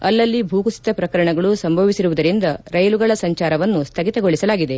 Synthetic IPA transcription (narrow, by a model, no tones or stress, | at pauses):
ɐ̰lːɐlːibʱuːkusi̥d̪ɐpɾɐkɐɾɐɳɐɡɐɭusɐmbʱɐʋisiɾuʋud̪ɐɾind̪ɐɾɐjɐluɡɐɭɐsɐɲt͡ʃaːɾɐʋɐnːust̪ʰɐɡit̪ɐɡoɭisɐlaːɡid̪e̞